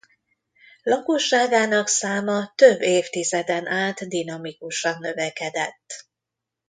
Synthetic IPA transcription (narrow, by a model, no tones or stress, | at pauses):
lɒkoʃːaːɡaːnɒksaːmɒt̪øbːeːft̪izɛd̪ɛnʔaːt̪d̪inɒmikuʃɒnːøvɛkɛd̪ɛt̪ː